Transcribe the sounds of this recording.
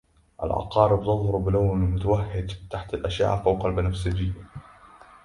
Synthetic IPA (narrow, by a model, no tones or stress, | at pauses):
ʔa̰lʕɑ̰qɑːɾɪbt̪ɨðˤhɑɾbɪlawnalmʊt̪awahːɪd̪t̪aħt̪alʔaʃja̰ːʔfawqɑlbanafsɪd͡ʒɪjːa